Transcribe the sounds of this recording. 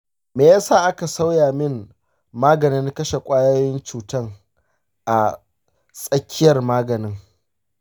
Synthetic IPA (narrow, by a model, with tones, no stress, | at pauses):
meː˨jaː˦saː˦˨ʔa˦ka˨sa˦wjaː˨mɪ˦n | maː˦ɡɐ˨nɪ˦ŋ˦kɐ˦ʃe˨kʷʼaː˦jo˦jɪ˦nt͡ʃuː˨tɐ˦ŋ | ʔa˨ | sʼɐ˦kʲʰːɪ˦jɐ˨rmaː˦ɡɐ˨nɪ˦ŋ